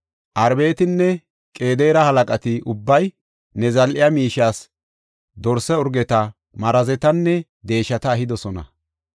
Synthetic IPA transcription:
ʔɐɾbe̞ːt̪ɪnːɛ | kʼe̞ːd̪eːɾɐhɐlɐkʼɐt̪ɪʔʊbːɐj | nɛzɐlʔɪjɐmiːʃaːs | d̪ɔɾsɛʊɾɡɛt̪ɐ | mɐɾɐzɛt̪ɐnːɛ | d̪e̞ːʃɐt̪ɐːhɪd̪ɔsɔnɐ̰

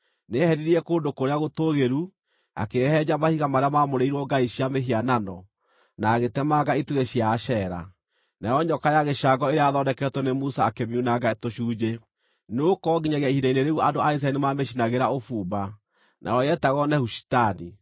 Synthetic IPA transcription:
nehɛɾiɾiɛkoːndokoɾeaɣotoɣeɾu | a̰kehɛd͡ʒamahiɣamaɾeamamoɾeiɾwɔɡaiɕiameɦiananɔ | naɣetɛmaɡaituɣeɕiaʃɛɾa̰ | najɔɲɔkajaɣeʃaɡɔeɾeaðɔndɛkɛtwɔnemusaːkemiunaɡatoʃuːd͡ʑe | nokɔɡiɲaɣiaihidaineɾeɣuandoais̬aɛnimameʃinaɣeɾaofuːba | nʔa̰ɔjɛtaɣɔnɛhuʃi̥tani

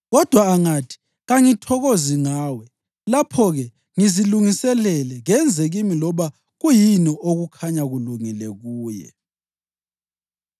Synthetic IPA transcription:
ɣɔd̥ʱwaːŋatʰi̥ | ɣaŋitʰɔɣoziŋaːwɛ | lapʰɔɣɛ | ŋiziluŋisɛlɛlɛŋɛnd͡zʱɛɣimilɔβa | ɣujinɔʔoɣukʰaɲaɣuluŋilɛɣuːjɛ̰

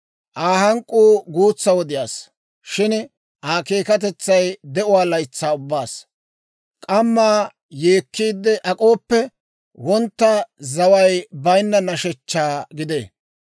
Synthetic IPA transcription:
ʔaːhɐŋkʼːuːɡuːt͡sːɐwɔd̪ɪjaːs | ʃɪn | ʔaːkeːkɐt̪̬ɛt͡sːɐjd̪ɛʔʊwaːlɐjt͡sːaːʊbːaːs | kʼɐmːaː | jeːkːiːd̪ːɛʔɐkʼo̞ːpːɛ | wɔnt̪ːɐzɐwɐjbɐjnːɐnɐʃɛt͡ʃːaːɡɪd̪ḛː

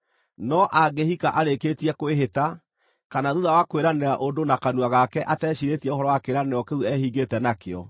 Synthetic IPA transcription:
nɔʔaɡehikaʔaɾeketiɛkoeɦeta | kanaðuðawakoeɾaneɾaʔodonakanuaɣakɛʔatɛːɕiɾetiɛoɦɔɾɔwakeɾaneɾɔkeuɛhiɡetɛnakeɔ̰

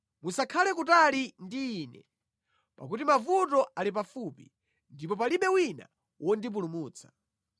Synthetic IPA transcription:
musakʰalɛkutalindiːnɛ̰ | pa̰kutimavutɔʔalip̬afupḭ | ndipɔpaliɓɛwina̰ | wʔɔndip̬ulumuːt͡sʰḁ

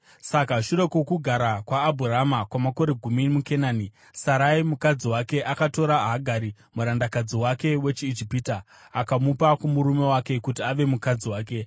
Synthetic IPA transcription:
sakaʃuɾe̞kokuɡʱaɾakwaːbʱuramakwamako̞ɾe̞ɡʱumimukenaːni | saɾaimukad͡ziwake̞ʔakato̞ɾaɦaɡʱaɾi | muɾandakad͡ziwake̞we̞t͡ʃiːd͡ʒipitaː | kamupakumuɾume̞wake̞kutiaʋe̞mukad͡ziwaːk̬e̞

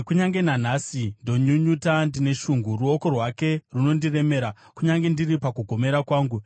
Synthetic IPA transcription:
kuɲaŋɡe̞nan̤aːsindo̞ɲuɲutandine̞ʃuŋɡuruo̞ko̞rwake̞runo̞ndire̞me̞ːɾa | kuɲaŋɡe̞ndiripakuɡʱo̞me̞ɾakwaːŋɡu

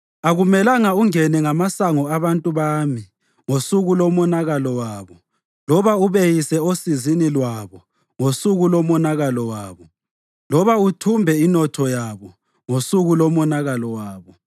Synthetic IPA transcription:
aɣumɛlaŋauŋɛnɛŋamasaŋɔaβantʼuβaːmi | ŋosuɣulɔmɔnaɣalɔwaːβɔ | lɔβauβejisɛosizinilwaβɔ | ŋosuɣulɔmɔnaɣalɔwaːβɔ | lɔβautʰumbʱɛinɔtʰɔjaβɔ | ŋosuɣulɔmɔnaɣalɔwaːβɔ

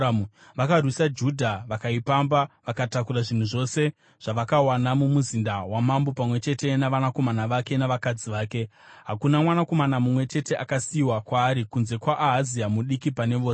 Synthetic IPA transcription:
ʋakarwisad͡ʒudʱaʋakaipambaʋakatakuɾaʐin̤uʐo̞ːse̞ | ʐ̥aʋakawanamumuzindawamambo̞pamwe̞t͡ʃe̞te̞naʋanako̞manaʋake̞naʋakad͡ziʋaːke̞ɦakunamwanako̞manamumwe̞t͡ʃe̞te̞ʔakasiiwakwaːɾikunze̞kwaʔːɦaziamuɗikipane̞ʋoːse

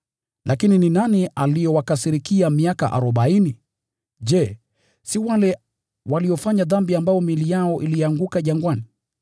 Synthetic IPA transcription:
lʔakinininanialijɔwakasiɾikiamiaka̰ʔa̰ɾɔɓaini | ʄɛ | siwalɛ | waliɔfaɲaðambiambaɔmilijaɔʔiliaŋɡukaʄaŋɡwani

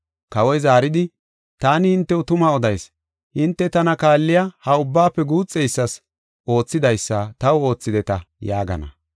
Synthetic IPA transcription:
kɐwɔjzaːɾɪd̪ɪ | t̪aːnɪhɪnt̪ːɛʊt̪ʊmɐɔd̪ɐjs | ʔɪnt̪ːɛt̪ɐnɐkaːlːɪjahɐʊbːaːpːɛɡuːt͡sʼːɛjsːɐs | ʔo̞ːt͡sːɪd̪ɐjsːɐt̪ɐwo̞ːt͡sːɪd̪ɛt̪ɐ | jaːɡɐ̰nɐ̰

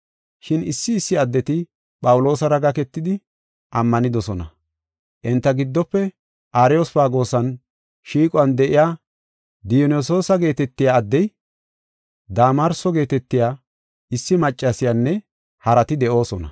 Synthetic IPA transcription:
ʃɪnɪsːɪːsːɪɐd̪ːɛt̪ɪ | pʼɐwʊlo̞ːsɐɾɐɡɐkɛt̪ːɪd̪ɪ | ʔɐmːɐnɪd̪ɔsɔnɐ | ʔɪnt̪ːɐɡɪd̪ːɔpːɛ | ʔaːɾɪjosfaːɡo̞ːsɐn | ʃiːkʼʊɐnd̪ɛʔɪjaː | d̪ɪjnɔso̞ːsɐɡe̞ːt̪ɛt̪ːɪjaːd̪ːɛj | d̪aːmɐɾsɔɡe̞ːt̪ɛt̪ːɪjaː | ɪsːɪmɐt͡ʃʼːɐsɪjanːɛ | hɐɾɐt̪ɪd̪ɛʔo̞ːsɔnɐ

